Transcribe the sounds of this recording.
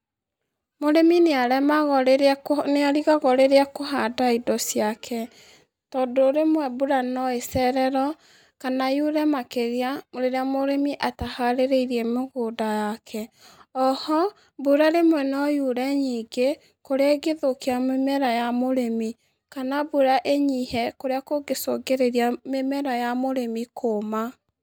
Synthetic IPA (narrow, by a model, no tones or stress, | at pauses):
moɾemineaɾɛmaɣɔɾeneaɾiɣaɣɔɾeɾeakoɦadaidɔsiakʰɛ | tɔdoːɾemwɛbuɾanɔesɛɾɛɾɔ | kanajuɾɛmakeɣeamoɾeɾeamoɾemiʔatahaɾeɾeiɾiɛmoɣodajakʰɛ | ɔhɔ | buɾaɾemwɛnɔjuɾɛɲiɡe | koɾeaɡeðokiamemɛɾajamoɾemi | kanabuɾaʔeɲihɛkoɾeakoɡesoɡeɾeɾiamemɛɾajamoɾemikʰoma